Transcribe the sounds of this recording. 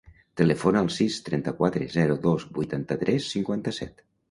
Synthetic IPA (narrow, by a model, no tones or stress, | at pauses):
t̪ələfonəːlˠsist̪ɾɛnt̪əkwat̪ɾezɛɾuðozbujt̪ant̪ət̪ɾɛsːiŋkwant̪əsɛ̰t̪